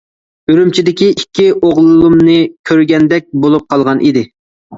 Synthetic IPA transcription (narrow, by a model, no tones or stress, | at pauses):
yɾymt͡ʃʰid̪ɪkʲiʔikʲːiʔoʁlˠɨlˠumnɨkʲʰøɾɡʲɛnd̪ɛk̚ʲbolˠup̚qʰɑlˠʁɑnʔid̪ɪ